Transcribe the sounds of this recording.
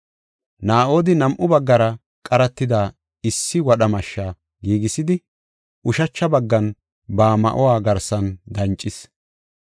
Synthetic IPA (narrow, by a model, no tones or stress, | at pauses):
naːʔo̞ːd̪ɪnɐmʔʊbɐɡːɐɾɐ | kʼɐɾɐt̪ːɪd̪aː | ɪsːɪwɐɗɐmɐʃːaː | ɡiːɡɪsɪd̪ɪ | ʔʊʃɐt͡ʃːɐbɐɡːɐn | baːmɐ̰ʔɔwaːɡɐɾsɐnd̪ɐnt͡ʃʼːɪs